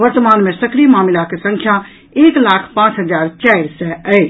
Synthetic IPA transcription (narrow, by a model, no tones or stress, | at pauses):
ʋəɾt̪əmaːnmẽsəkɾimaːmilakesə̃ŋkʰja | eːklaːkʰpãːt͡ʃɦəd͡ʒaːɾt͡ʃaɪɾsɛəɪ